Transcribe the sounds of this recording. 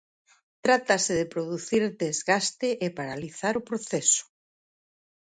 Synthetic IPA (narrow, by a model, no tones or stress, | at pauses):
t̪ɾat̪asɪðɪpɾoðuθiɾd̪ezɣast̪ɪʔepaɾaliθaɾʊpɾoθɛsʊ̥